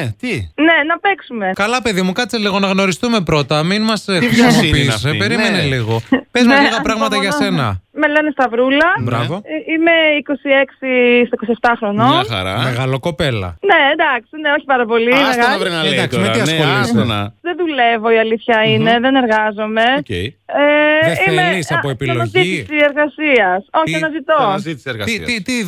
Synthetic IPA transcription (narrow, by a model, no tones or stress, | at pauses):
t̪ine̞nɐpeksume̞kɐlɐpe̞ðimukɐt͡seliɣo̞nɐɣno̞ɾist̪ume̞pɾo̞t̪ɐminmɐsopisepeɾimeneliɣo̞pezmeliɣɐpɾɐɣmɐt̪ɐʝɐsse̞nɐ̰melɐnest̪ɐvɾulɐbɾɐvoime̞iko̞sieksist̪eko̞sieft̪ɐxɾo̞nonɐ̰ɾɐmeɣɐloko̞pe̞lɐ̰ne̞ːnd̪ɐksineo̞çi̥pɐɾɐpo̞limeɣɐɐvɾinɐɐsmeiɐsolisnɐðenðule̞vo̞iɐliθçɐine̞ðe̞ne̞ɾɣɐzo̞me̞ceeimeisɐoepilonɐzit̪isieɾɣɐsiɐso̞çiɐnɐzit̪oɐzit̪i̥sieɾɣɐsɐit̪i